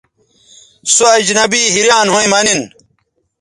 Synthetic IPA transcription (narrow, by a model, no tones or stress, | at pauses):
soɐd͡ʑnɐbiːɦiɾjaːnɦoẽmɐnin